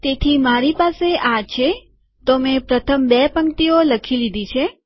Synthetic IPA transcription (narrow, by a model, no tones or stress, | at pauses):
t̪et̪ʰimaɾipaseʔat͡ʃʰe | t̪omẽpɾət̪ʰəmbepəŋt̪ioləkʰilid̪it͡ʃʰe